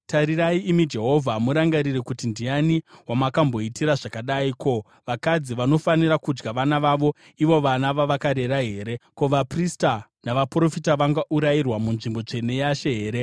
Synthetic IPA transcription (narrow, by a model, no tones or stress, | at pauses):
taɾiɾaiimid͡ʒe̞ɦo̞vʱamuɾaŋɡaɾirekutindianiwamakambo̞itiɾaʐakaɗaiko̞ | ʋakad͡ziʋano̞faniɾakud͡ʒɡaʋanaʋaʋo̞ | iʋo̞ʋanaʋaʋakaɾe̞ɾaɦe̞ːɾe̞ko̞ʋapristanaʋapro̞fitaʋaŋɡaʔuɾairwamunʐimbo̞t͡ʂe̞ne̞jaʃe̞ɦeːɾe̞